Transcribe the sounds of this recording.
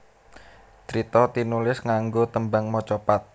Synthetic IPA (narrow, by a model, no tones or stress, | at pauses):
t͡ʃɾit̪ɔt̪inulɪsŋaŋɡot̪əmbaŋmɔt͡ʃɔpat̪̚